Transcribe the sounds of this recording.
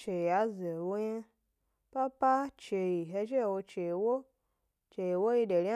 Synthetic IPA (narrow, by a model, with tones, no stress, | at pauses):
t͡ʃe˨a˨˦ze˨wo˦ɲe˦ | pa˦pa˦t͡ʃe˧ji˨ɦe˧ʃe˦e˨wo˧t͡ʃe˨i˨wo˦ | t͡ʃe˨ji˨wo˦ji˧de˨ɾi˦a˦